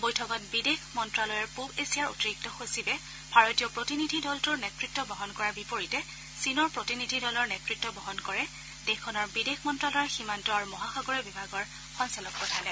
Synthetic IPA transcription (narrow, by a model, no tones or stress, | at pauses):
bojtʰɔkɔt̚bidexmɔntɹalɔjɔɹpubesiaɹo̰tiɹik̚tɔxosibɛ | bʱaɹotiɔpɹotinidʱidɔltʊɹnetɹitːɔbɔɦɔnkɔɹabipoɹitɛ | sinɔɹpɹotinidʱidɔlɔɹnetɹitːɔbɔɦɔnkɔɹɛ | dexʰɔnɔɹbidexmɔntɹalɔjɔximantɔaɹumɔɦaxɔɡɔɹɛbibʱaɡɔɹ | xɔnsalɔk̚pɔtʰalɛ